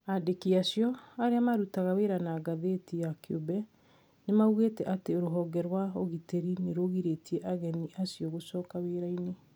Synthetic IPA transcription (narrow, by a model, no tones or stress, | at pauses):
adekiasjɔaɾeamaɾutaɣaweɾanaɡaðeːtijakʰobɛ | nemauɣeːtɛʔateoɾoɦɔːɡɛɾwaoɣiteɾineɾoɣiɾetiɛʔaɣɛniʔasiɔɣosɔːkaweɾaine